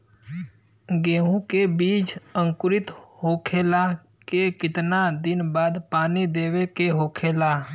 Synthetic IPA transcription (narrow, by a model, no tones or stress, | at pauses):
ɡẽːɦũkebiːt͡ʃə̃ŋkʊɾɪt̪hoːkʰeːla | kekɪt̪nad̪ɪnbaːd̪paːnid̪eːwekeɦoːkʰeːlaː